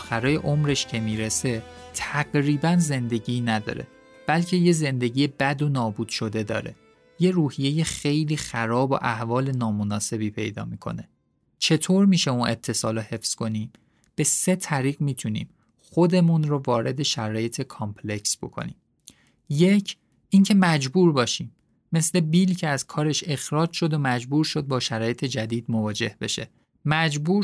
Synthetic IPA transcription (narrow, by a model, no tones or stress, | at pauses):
xæɾɒːje̞̰ʔo̞mɾe̞ʃcʰemiːɾese̞t̪ʰæɡɾiːbænze̞nd̪e̞ɟiːnæd̪ɒ̰ːɾe̞̰ | b̥ælcʰe̞je̞ze̞nd̪eɟiːjebæd̪o̞nɒːbuːd̪̥ʃo̞d̪e̞d̪ɒ̰ːɾe̞̰ | je̞ɾuːhije̞je̞xe̞jliːxæɾɒːbo̰ʔæhvɒːle̞nɒːmonɒːse̞biːpʰe̞jd̪ɒ̰ːmiːkʰo̞̰ne | t͡ʃʰe̞t̪ʰoːɾmiːʃeunʔe̞t̪ʰːe̞sɒːlohe̞fsko̞niːm | b̥e̞se̞t̪ʰæɾiːɣmiːt̪ʰunḭːm | χo̞d̪e̞munɾovɒːɾe̞d̪e̞ʃæɾɒːje̞t̪ʰekʰɒmpʰle̞csb̥o̞̰kʰo̰nḭːm | je̞cʰ | ʔincʰe̞mæd͡ʒbuːɾbɒːʃiːmː | e̞sle̞bilcʰeæzkʰɒːɾe̞ʃe̞xɾɒːd͡ʒʃo̞d̪omæd͡ʒbuːɾʃo̞d̪̚bɒːʃæɾɒːje̞t̪ʰe̞d͡ʒæd̪iːd̪movɒːd͡ʒe̞hbe̞ʃe̞̰ | mæd͡ʒbuːɾ